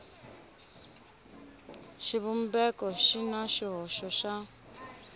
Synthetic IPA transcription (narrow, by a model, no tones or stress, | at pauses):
ʃiβum̩bɛkɔʃinaʃiɦɔʃɔʃa